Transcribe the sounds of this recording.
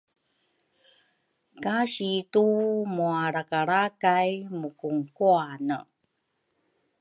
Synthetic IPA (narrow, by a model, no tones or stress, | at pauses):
kaɕitumuaɾakaɾakajmukuŋkuanə